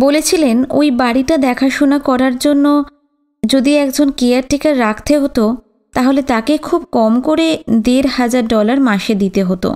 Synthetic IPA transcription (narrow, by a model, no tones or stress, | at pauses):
bolet͡ɕʰileno̰jbaɽiʈad̪ɛkʰaʃonakɔɾaɾd͡ʑonːo | d͡ʑod̪iɛkd͡ʑonkejaɾʈikaɾːakʰt̪eɦot̪o | t̪aɦolet̪akekʰub̚kɔmkoɾed̪eɾhad͡ʑaɾɖɔlaɾmaʃed̪it̪eɦot̪o̰